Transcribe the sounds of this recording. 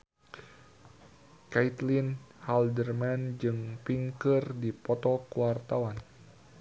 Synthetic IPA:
kait̪linhaldərmand͡ʒɨŋpiŋkɨrdipɔt̪ɔkuwart̪awan

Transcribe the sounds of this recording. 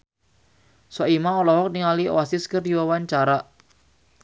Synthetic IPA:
sɔʔimaɔlɔhɔk̚niŋaliɔ̰wasɪskərdiwawaɲt͡ʃaɾa

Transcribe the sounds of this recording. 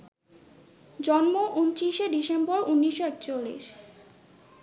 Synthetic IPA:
d͡ʑɔnmoʔunt͡ɕiʃeɖiʃembɔɾunːiʃːoɛkt͡ɕolːḭʃ

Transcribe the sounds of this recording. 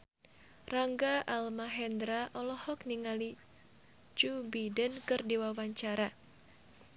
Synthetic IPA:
raŋɡaʔalmaɦɛndɾaʔɔlɔhɔkniŋali | t͡ʃubidənkɨrdiwawaɲt͡ʃaɾa

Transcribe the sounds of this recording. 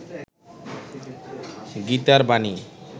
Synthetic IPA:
ɡit̪aɾbani

